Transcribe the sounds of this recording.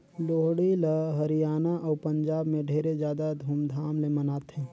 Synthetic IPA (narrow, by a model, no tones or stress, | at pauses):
loːɦɽiləɦɐɾijaːnaʔɔːɾpɐ̃ɲd͡ʒaːbmẽɖʱeːɾed͡ʒjaːd̪ad̪ʱuːmd̪ʱaːmlemɐnaːt̪ɦɛ̃ː